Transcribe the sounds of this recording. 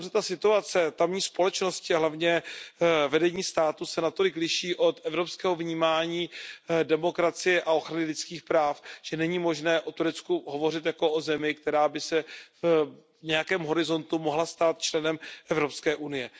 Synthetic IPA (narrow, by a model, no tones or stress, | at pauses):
rɛt̪asɪt̪uat͡sɛt̪amɲiːspo̞lɛt͡ʃno̞scɪaɦlavɲɛ | vɛdɛɲiːst̪aːt̪usɛnat̪o̞lɪklɪʃiːʔo̞t̪ʔɛvɾo̞pskɛːɦo̞vɲiːmaːɲiːdɛmo̞kɾat͡sɪjɛʔao̞xɾanɪlɪt͡skiːxpɾaːfʒ̥ɛnɛɲiːmo̞ʒnɛːʔo̞t̪uɾɛt͡skuɦo̞vo̞rɪt̪jako̞ʔozɛmɪk̚t̪ɛɾaːbɪsɛv | ɲɛjakɛːmɦo̞ɾɪzo̞nt̪umo̞ɦlast̪aːt̪̚t͡ʃlɛnɛmʔɛvɾo̞pskɛːʔunɪjɛ